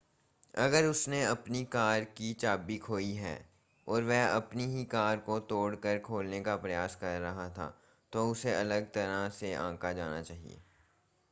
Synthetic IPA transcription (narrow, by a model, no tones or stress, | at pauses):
ɐɡəɾʊsneɐpnikaːɾkit͡ʃaːbikʰoːiɦɛ̰ː | ɔːɾʋɛɐpniɦikaːɾkot̪oːɽkəɾkʰoːlnekapɾɐjaːskɐɾːɐɦat̪ʰa̰ː | t̪oʊseɐləɡt̪ɐɾaseʔã̰ːkad͡ʒaːna̰t͡ʃaːɦḭḛː